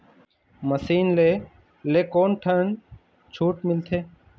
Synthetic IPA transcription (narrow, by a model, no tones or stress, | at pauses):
məsiːnleː | leːkoːnʈʰən | t͡ʃʰuːʈmɪlt̪ʰeː